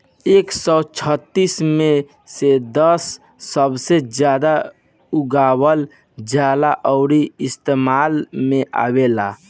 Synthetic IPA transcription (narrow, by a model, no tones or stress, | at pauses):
eːksɔt͡ʃʰət̪ːismẽ | sed̪əsː | əbsed͡ʒjad̪a | uɡaːwəl | d͡ʒjalaʔɔʊɾiɪst̪emaːlmeʔa̰wela